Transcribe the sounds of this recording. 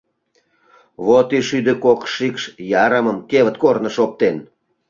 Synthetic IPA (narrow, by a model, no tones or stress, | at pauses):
βot̪yʃyd̪ĕkokʃikʃjɑɾəməmkeβə̆t̪̚kornə̆ʃop̚t̪en